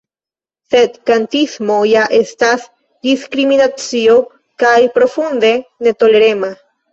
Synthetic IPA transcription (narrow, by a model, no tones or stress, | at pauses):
sed̪kant̪ismojaʔest̪as | d̪iskɾiminat͡sio | kajpɾofund̪e̞net̪oleɾema